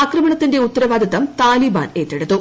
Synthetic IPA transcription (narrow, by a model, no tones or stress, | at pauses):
ɐkrɐmɐɳɐt̪ːinde̞ut̪ːɐɾɐʋaːd̪ʱiðɐmt̪aːliːba̰ːne̞ːt̪ːeɽut̪ːu